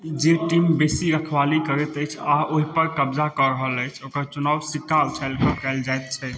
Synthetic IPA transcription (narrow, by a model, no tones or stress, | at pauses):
d͡ʒeʈimbesiɾəkʰʋalikəɾət̪əjt͡ʃʰaoɦipəɾkəbd͡ʒakɔɾəɦələjt͡ʃʰokəɾt͡ʃunawsikalt͡ʃʰalkəkajld͡ʒajt̪̚t͡ʃʰɛ